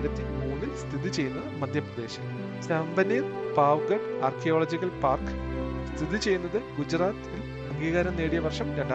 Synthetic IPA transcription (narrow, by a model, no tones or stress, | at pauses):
ɾɐt̪ːimuːnːilst̪ʰiðit͡ɕe̞jːunːɐɨmɐd̪ʱjɐprɐd̪e̞ːɕɐm | sɐmbɐniːrpaːʋɡɐɖaːrkʰijoːɭɐd͡ʑiɣɐlpaːrkɨ̥st̪ʰiðit͡ɕe̞junːɐðɨɡud͡ʑraːt̪il | ɐŋɡiːɣɐɾɐmneːɽijɐʋɐrʂɐmɾɐɳɖa